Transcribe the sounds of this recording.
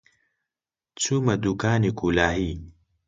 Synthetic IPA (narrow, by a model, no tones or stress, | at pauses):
t͡sʰumɐd̪ukaːnikulaːɦi